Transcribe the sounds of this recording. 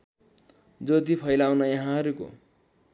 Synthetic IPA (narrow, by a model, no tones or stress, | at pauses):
d͡zʌt̪ipʰʌjlawnʌjʌɦãɦʌɾuko̰